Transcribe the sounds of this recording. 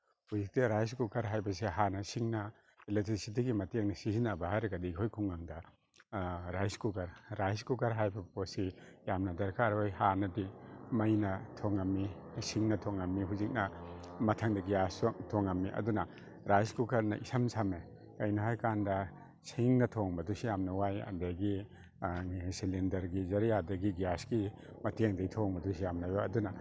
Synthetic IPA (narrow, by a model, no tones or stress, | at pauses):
huzik̚tiɾajskukɐɾɦajbɐseɦanɐsiŋnɐ | elek̚tɾisit̬iɡimɐteŋnɐsizinabahajɾɐɡadikʰojkʰuŋːaŋdɐ | ɾajskukɐɾɾajskukaɾɦajbɐposijamnɐdɐɾkʰaɾojhanɐdimɐjnɐtʰoŋamːisiŋnɐtʰoŋːamːiɦuzik̚nɐmɐtʰɐŋdɐɡijastʰoŋɐmːiʔɐ̰dunɐ | ɾajskukɐɾnɐ̰ʔisɐmsʰame | ɐjnɐɦajkandɐ | siŋnɐtʰoŋbɐdusijamnɐwajɐ̰ndɐɡi | silindɐɾɡizɐɾijadɐɡiɡijasɡi | mɐteŋdɐɡitʰoŋbɐdusijamnɐjoɐdunɐ